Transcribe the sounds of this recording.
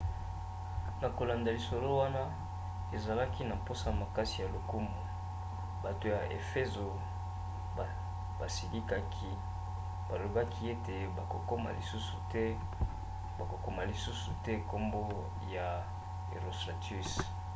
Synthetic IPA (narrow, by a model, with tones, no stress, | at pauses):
na˨ko˨la˨nda˨li˨so˨lo˦wa˦na˦ | e˨za˨la˦ki˦na˨m̩˨po˦sa˦˨ma˨ka˦si˨ja˨lo˨ku˦mu˨ | ba˨to˨ja˨ʔḛ˨fe˦zo˨ | ba˨si˨li˦ka˦kʰi˦ | ba˨lo˨ba˦kʰi˦e˦te˨ba˨ko˨ko˦ma̰˨li˨su˦su˨tɛ˦ | ba˨ko˨ko˦ma˨li˨su˦su˨tɛ˦ko˦mbo˦ | ja˨ | e˨ʁo˨sta˨tu˦s